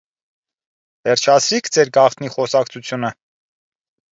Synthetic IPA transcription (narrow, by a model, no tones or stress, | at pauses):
vɛrt͡ʃʰɑt͡sʰɾikʰd͡zɛɾɡɑχt̪ʰniχɔsɑkt͡sʰut͡sʰjunə